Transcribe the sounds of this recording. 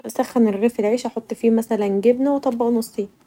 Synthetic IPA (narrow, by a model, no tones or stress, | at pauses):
sæxːæneɾɣeːfelʕeːʃʔæħot̪ˤːfiːmæsælænɡebnæwet̪ˤɑbːɑʔnɑsˤːiːn